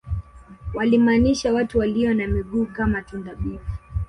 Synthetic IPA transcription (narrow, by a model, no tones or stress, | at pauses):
walimaːniʃawatuwaliɔnamiɠuːkamatundaɓifu